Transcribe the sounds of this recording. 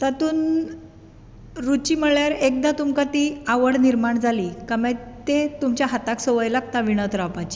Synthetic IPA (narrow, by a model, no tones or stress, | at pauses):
t̪at̪uːn | ɾut͡ɕiːməɭjaɾek̚d̪at̪umkat̪iaʋəɽniɾmaɳd͡zʱalikamãt̪et̪umt͡ɕjaɦat̪aksəʋəjlakt̪aʋiɽ̃ət̪ɾapat͡ɕi̥